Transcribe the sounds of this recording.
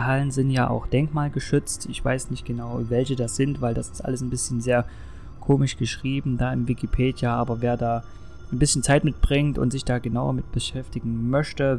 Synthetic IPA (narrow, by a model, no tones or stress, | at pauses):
ɦalənzɪntjaːʔa̰ʊxd̥ɛŋkmaːlɡəʃʏt͡stʔɪçv̥a̰ɪsnɪçt̚ɡ̥ənaʊvɛlçədaːsz̥ɪntv̥aɪldasɪ̥stʔa̰ləsnbɪsçənzeːɐ | kʰoːmɪʃɡ̥əʃʁ̥iːbm̩daːɪmvɪkʰipʰeːdjaʔaːbɐveːɐdaː | aɪnbɪsçn̩t͡saɪtmɪt̚b̥ʁɪŋtʊ̰ntz̥ɪçd̥aːɡənaʊɐ̰mɪt̚b̥əʃɛftɪɡŋ̩mœçtə